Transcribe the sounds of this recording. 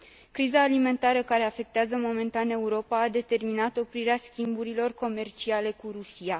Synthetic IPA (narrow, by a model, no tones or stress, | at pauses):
kɾizaːlime̞nt̪aɾəkaɾe̞afe̞k̚t̪eazəmo̞me̞nt̪ane̞uɾo̞paːd̪e̞t̪e̞rminat̪o̞pɾiɾeaskʲimbuɾilo̞rko̞me̞rt͡ʃiale̞kuɾusija